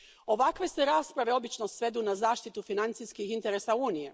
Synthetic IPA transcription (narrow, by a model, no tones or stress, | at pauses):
o̞ʋakʋe̞seɾaːspɾaʋe̞o̞bit͡ʃnosʋe̞d̪unazaːʃt̪it̪ufinant̪sijskixint̪e̞ɾe̞ːsauːnije̞